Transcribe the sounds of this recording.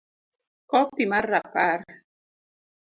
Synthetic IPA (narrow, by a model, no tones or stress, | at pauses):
kɔpimarːapaɾ